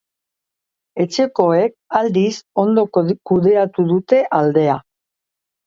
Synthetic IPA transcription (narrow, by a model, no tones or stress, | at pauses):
e̞t͡ʃe̞ko̞e̞k̚ald̪iso̞nd̪o̞kuðe̞at̪uðut̪e̞ʔald̪e̞a